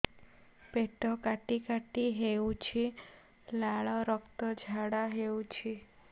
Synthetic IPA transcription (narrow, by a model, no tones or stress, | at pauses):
peʈɔkaʈikaʈiɦeũt͡ʃʰi | laɭɔɾɔkt̪ɔd͡ʒʱaɽaɦeũt͡ʃʰi